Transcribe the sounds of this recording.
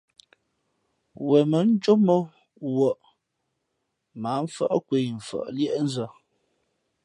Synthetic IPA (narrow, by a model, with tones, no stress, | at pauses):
wɛ˨mə˨˦n̩˦d͡ʒo˦mə˦ | wə˨ʔ | ma˨˦m̩˦fə˦ʔkwe˨˦˨ɱ̩˨fə̰˨ʔljɛ˦ʔn̩˦zə˦˨